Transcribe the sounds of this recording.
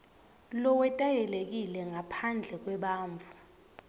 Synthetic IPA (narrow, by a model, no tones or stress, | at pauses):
lɔwɛtʼajɛlek̬ilɛŋapʰand͡ɮʱɛk̬wɛɓaːɱvʱu